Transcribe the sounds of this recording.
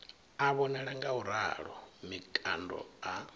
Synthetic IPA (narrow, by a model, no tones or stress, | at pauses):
aβɔnɛɺaŋɡauɾa̰ɺɔ̰mikʼandɔ̰a